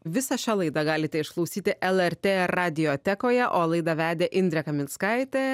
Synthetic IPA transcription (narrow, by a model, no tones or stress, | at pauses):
ʋʲɪsɐʃʲæːlˠɐɪd̪ɑɡɑːlʲɪt̪ʲɛɪʃklˠɐʊsʲiːt̪ʲɪʔɛlˠɛɾʲt̪ʲeːɑːd̪ʲɪjoːt̪ʲɛkoːjɛʔoːlˠɐɪd̪ɑʋʲæːd̪ʲeːʔɪnd̪ʲɾʲɛkɐmʲɪnskɐɪt̪ʲeː